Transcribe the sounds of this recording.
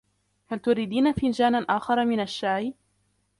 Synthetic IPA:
halt̪ʊɾid̪iːnafind͡ʒaːnaʔaːxɑɾˤɑmɪnaʃːaːʕi

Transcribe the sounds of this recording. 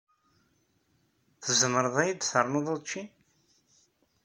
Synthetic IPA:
θəzəməɾəðˤæjəd̪θəɾˤnoðˤoðˤt͡ʃːi

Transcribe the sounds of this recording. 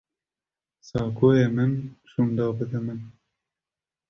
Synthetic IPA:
sɑːkʰoːjeːmɨnʃuːnd̪ɑːbɨd̪ɨmɨn

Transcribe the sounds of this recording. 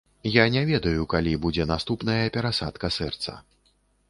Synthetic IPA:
janʲɛvʲɛd̪ɐjukalʲibud͡zʲɛnast̪upnɐjɐpʲɛɾasa̰t̪kɐsɛrt̪sɐ̰

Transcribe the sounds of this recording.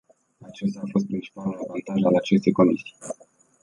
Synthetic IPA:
at͡ʃest̪aːfo̞s̬t̪̚pɾint͡ʃi̥palunavant̪aʒalat͡ʃe̞st̪e̞jko̞misi̥j

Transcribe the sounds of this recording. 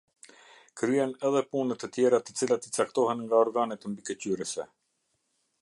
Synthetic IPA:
kɾyjɛnɛðɛpunət̪ːət̪jɛɾat̪ət͡silat̪ət͡sak̚t̪ɔɦɛnŋɡaɔɾɡanɛt̪mbikəcyɾəsɛ̰

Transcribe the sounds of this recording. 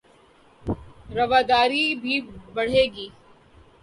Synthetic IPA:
ɾɐʋaːd̪aːɾibʱibɐɽ̤eːɡiː

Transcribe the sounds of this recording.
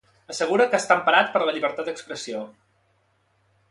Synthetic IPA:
əsəɣ̞uɾəkəːst̪ampəɾat̪̚pəɾləʎiβəɾt̪at̪̚d̪əkspɾəsio

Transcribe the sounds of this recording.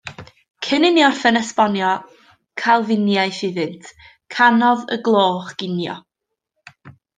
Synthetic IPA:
kʰənɪnjɔrfɛnɛspɔnjɔ | kʰalˠvɪnjajθɪðɨntʰ | kʰanɔðə̰ɡlˠoːχɡ̥ɪnjɔ̰

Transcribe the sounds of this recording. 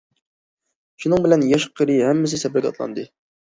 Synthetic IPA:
ʃunɨŋbɪlɛnjɑʃqʰəɾɨhɛmːɪs̬ɪsɛbɪɾɡʲɛ̰t̪lˠɑ̰nd̪ɨ

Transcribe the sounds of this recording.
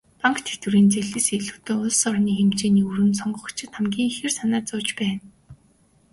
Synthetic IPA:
paŋkt̪ʰet̪wɘ̆ɾiːnt͡seɮɘ̆seɮɘ̆wt̪ŏːʊɮsɔrniːxemt͡ɕeːniːuɾɘ̆nsɔɴɢɞ̆χ̆t͡ɕʰɪ̆t̪χamɡʲiːŋxĕrsanaːt͡sʊːt͡ɕpæːn

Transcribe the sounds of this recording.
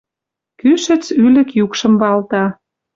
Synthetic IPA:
kyʃə̆t͡sylə̆kjukʃə̆mbɑlt̪ɑ

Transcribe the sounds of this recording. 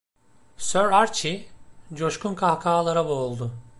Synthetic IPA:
søɾaɾt͡ʃʰid͡ʒo̞ʃkʰunkʰahkʰaːlˠaɾaboːlˠd̪ʊ

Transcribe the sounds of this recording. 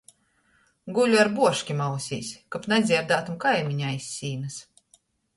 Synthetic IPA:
ɡulʲuaɾbuɔʃkʲimawsʲḭːsʲkapnɛd̪zʲiɛɾd̪aːt̪umkajmʲiɲaisʲːiːnɨs

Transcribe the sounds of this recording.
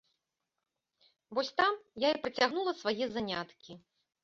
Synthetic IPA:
vɔsʲt̪amjaipɾɐt͡sʲaɣnulˠɐsvajɛzanʲat̪kʲi

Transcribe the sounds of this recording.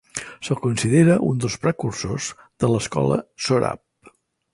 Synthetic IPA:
səlˠkunsiðeɾəʔund̪əlˠspɾəkursoz | ðələskɔ̰lə̰soɾa̰p̚

